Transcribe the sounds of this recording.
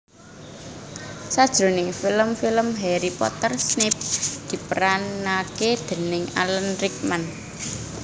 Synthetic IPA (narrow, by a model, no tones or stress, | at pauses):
sad̥ʒ̥ɾo̤nɪŋfiləmfiləmɦɛɾipɔ̰t̪ərsnɪp̚d̪̥i̤pəɾanaked̪̥ə̤nɪŋa̰lənɾik̚man